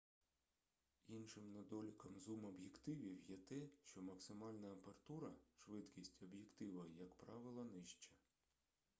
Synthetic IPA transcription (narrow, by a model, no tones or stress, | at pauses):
inʃɪmnɐd̪ɔlʲikɐmzumɔbjekt̪ɪʋʲiwjɛt̪ɛʃt͡ʃɔmɐksɪmɑlʲnɐɐpeɾɐt̪uɾɐʃʋɪd̪kʲisʲtʲɔbjekt̪ɪʋɐjɐkpɾɑʋɪlˠɐnɪʃt͡ʃɐ